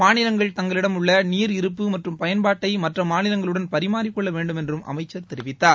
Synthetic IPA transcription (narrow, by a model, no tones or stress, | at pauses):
maːnɪlɐŋɡɐɭt̪ɐŋɡɐɭɪɽɐmʊɭːɐniːɾɪɾɯpːɯmɐʈrɯmpɐjɐnbaːʈːɐɪmɐʈrɐmaːnɪlɐŋɡɐɭɯɽɐnpɐɾɪmaːɾɪkːɔɭːɐʋeːɳɖɯmɛndrɯmʔɐ̰mɐɪt͡ʃːɐɾt̪ɛɾɪʋɪt̪ːaːɾ